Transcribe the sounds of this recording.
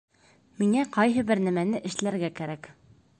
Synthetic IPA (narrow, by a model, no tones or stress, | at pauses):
miŋæqɒjɦɤbɘɾnæmænɘʔɘ̆ʃlæɾɡækæɾæk